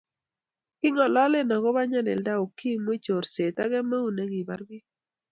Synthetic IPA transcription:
kɪ˦ŋɔ˨lɔ˦le˦nɔ˨ɡɔ˦βa˦ɲa˦nɛ̰˨lda˦o˨ki˦mwɪ˦t͡ʃo˨ɾse˨t̪a˦ɡɛ˦ma˦u˦ne˦ɡɪ˨ba˦ɾɡɪ˦

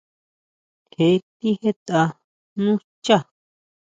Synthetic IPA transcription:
he˧˦˧t̪i˦he˦t̪a˧ | nũ˦t͡ʃa˦˨

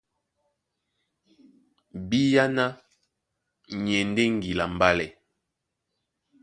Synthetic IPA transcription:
bi˦ja˦na˦ | ɲɛ˨n˦de˦ŋ˨ɡi˨la˨m˨ba˦lɛ˨

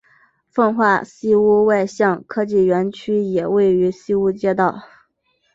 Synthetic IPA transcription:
fə˥˧ŋxwa˥˩ɕi˥u˥wa˥˧ɪɕjɑ˥˩ŋkʰɤ˥t͡ɕi˥˩ɥɛ˧˥nt͡ɕʰy˥jɛ˨˩we˥˩ɪy˧˥si˥u˥t͡ɕjɛ˥t̪ɑ˥˩ʊ

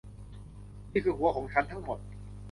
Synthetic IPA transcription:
niː˥˩kʰɯː˧˩ɦu˨˩˦ɐkʰɔː˩˦ŋt͡ɕʰa˦˥nt̪ʰa˦˥ŋmo˨˩t̪̚

